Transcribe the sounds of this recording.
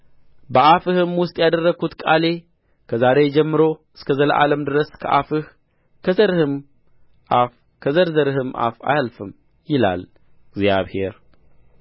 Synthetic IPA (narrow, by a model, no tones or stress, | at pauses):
bəʔafɨhɨmwʊst̪ʼjad̪ərːəɡʰut̪kʼale̞ | kʰəzaɾe̞d͡ʒɛmːɨɾo̞ʔɨskʰɐzɐləʔaləmd̪ɨɾəskʰɐʔafɨh | kʰəzɐɾɨhɨm | ʔaf | kʰəzɐɾzɐɾɨɦɨmʔa̰fa̰jalfɨm | jɪla̰l | ɡzjaβhe̞ɾ